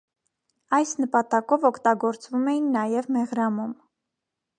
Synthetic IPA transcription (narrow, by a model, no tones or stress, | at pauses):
ɑjsnəpɑt̪ɑkɔvɔkʰt̪ɑɡɔɾt͡svumɛjinːɑjɛvmɛʁɾɑmum